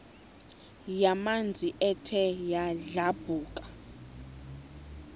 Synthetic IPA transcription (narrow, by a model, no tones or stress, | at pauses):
jamand͡zʱiʔɛtʰɛjaɮab̥ʱuːkʼḁ